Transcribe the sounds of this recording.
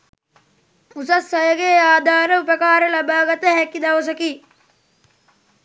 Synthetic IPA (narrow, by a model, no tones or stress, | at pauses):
usɐsːɐjəɡeaːd̪ʱaːɾəupəkaːɾəlabaːɡɐt̪əɦɛkid̪ɐʋɐs̬əki